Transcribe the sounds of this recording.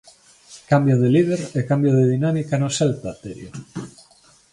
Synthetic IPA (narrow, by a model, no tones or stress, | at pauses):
kambjoðelið̞eɾekambjoð̞eðinamikanosɛlt̪at̪eɾjo